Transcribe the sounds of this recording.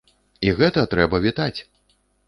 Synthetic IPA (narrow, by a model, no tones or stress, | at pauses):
iɣɛt̪ɐt̪ɾɛbɐvʲit̪at͡sʲ